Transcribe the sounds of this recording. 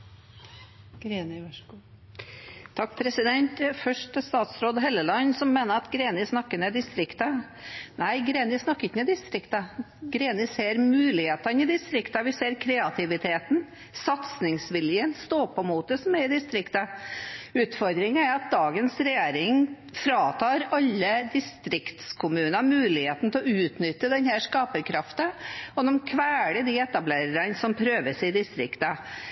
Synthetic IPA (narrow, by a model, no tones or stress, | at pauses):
ɡ̥ɾenə | t̪ʰɑkːpʰɾɛsɪd̪ɛnt̪fœʂʈəst̪ɑːt̪sɾoːd̪ɦɛlːəlɑnːsɔmːeːnəɾɑt̪ɡɾeːnɪsnɑkːənɛd̪ɪst̪ɾɪkt̪ə | næɪɡɾeːnɪsnɑkːəɪçːənɛd̪ɪst̪ɾɪkt̪ə | ɡɾeːnəseːɾmʉːlɪheːt̪ənɪd̪ɪst̪ɾɪkt̪əʋɪseːɾkʰɾɛɑt̪ʰɪʋɪt̪ʰeːt̪n̩ | sɑt̪snɪŋsʋɪljənst̪oːpɔmuːt̪̚əsɔmæɾɪd̪ɪst̪ɾɪkt̪ɑ | ʉːt̪fɔɾd̪ɾɪŋæɾɑt̪̚d̪ɑːɡənsɾɛjeːɾɪŋ | fɾɑːt̪ʰɑːɾɑlːəd̪ɪst̪ɾɪkt̪skʰʊmʉːnɑmʉːlɪheːt̪n̩t̪ʰɛɔʉːt̪nʏt̪ːəd̪ɛnhæʂkɑːpəɾkʰɾɑft̪əɔd̪ɔmkʰʋæːɽəɖiɛt̪ɑbleːɾəɾɑnsɔmpʰɾøːʋəʂɪd̪ɪst̪ɾɪkt̪ɑ